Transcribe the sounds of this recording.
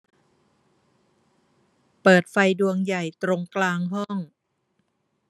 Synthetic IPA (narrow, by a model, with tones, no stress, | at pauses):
pɤː˨˩t̪̚fa˧jdu˧əŋja˨˩jt̪ɾo˧ŋklaː˧ŋɦɔ˥˩ŋ